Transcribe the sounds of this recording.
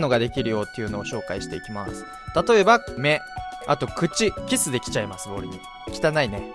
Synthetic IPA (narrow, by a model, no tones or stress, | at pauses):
no̞ɡad̪e̞kʲiɾɯ̟jo̞ːt̪ːe̞iɯ̟no̞ːɕo̞ːkaiɕi̥t̪e̞ikʲima̰sɨ̥ | t̪at̪o̞e̞bame̞a̰t̪o̞kɯ̟t͡ɕikʲisɨd̪e̞kʲi̥t͡ɕaimasɨbo̞ːɾiɲi | kʲi̥t̪anaine̞